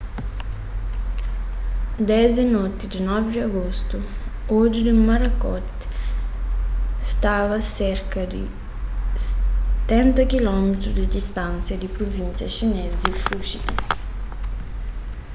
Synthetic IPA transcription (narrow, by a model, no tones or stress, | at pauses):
d̪ɛzenɔt̪id̪inɔvdiaɡost̪uɔd͡ʒid̪imaɾɐkɔt̪ | st̪avɐseɾkɐd̪ḭ | st̪ːɛnt̪ɐkilɔmet̪ɾud̪id̪ist̪ansjɐd̪ipɾovinsjɐʃinezd̪ifuʃid̪ɐ̰